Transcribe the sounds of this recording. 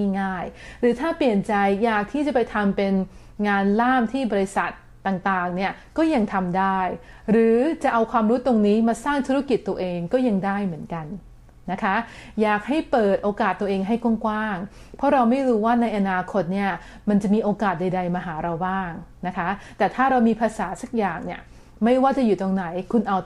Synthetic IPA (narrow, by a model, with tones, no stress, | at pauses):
a˥˩ŋaː˥˩jɾɯː˩˦t̪ʰaː˥˩pli˨˩ənt͡ɕa˧jːaː˨˩k̚t̪ʰiː˥˩t͡ɕa˨˩pa˧jt̪ʰa˧mpe˧n | ŋaː˧nlaː˥˩mt̪ʰiː˥˩bɔː˧ɾi˧sa˨˩t̪ːaː˨˩ŋt̪aː˨˩ŋni˥˩ɐ | kɔː˥˩ja˧ŋt̪ʰa˧mdaː˥˩jɾɯː˩˦t͡ɕa˨˩ʔa˧wkʰwaː˧mɾu˦˥t̪ːo˧ŋniː˦˥maː˧saː˥˩ŋt̪ʰu˦˥ɾa˦˥ki˨˩t̪ːu˧ɐʔeː˧ŋkɔː˥˩ja˧ŋdaː˥˩jmɯ˩˦ənka˧nː | a˦˥kʰa˦˥jaː˨˩k̚ha˥˩jpɤː˨˩t̪̚ʔoː˧kaː˨˩t̪ːu˧ɐʔeː˧ŋɦa˥˩jkwu˥˩ŋkwaː˥˩ŋ | pʰɔ˦˥ɾa˧wma˥˩jɾuː˦˥waː˥˩na˧jʔa˧naː˧kʰo˦˥t̪̚ni˥˩ɐ | ma˧nt͡ɕa˨˩miː˧ʔoː˧kaː˨˩t̪̚da˧jda˧jmaː˧ɦaː˩˦ɾa˧wbaː˥˩ŋna˦˥kʰa˦˥t̪ɛː˨˩t̪ʰaː˥˩ɾa˧wmiː˧pʰaː˧saː˩˦sa˦˥˩k̚jaː˨˩ŋni˥˩ɐ | ma˥˩jwaː˥˩t͡ɕa˨˩juː˨˩t̪o˧ŋna˩˦jkʰu˧nʔa˧w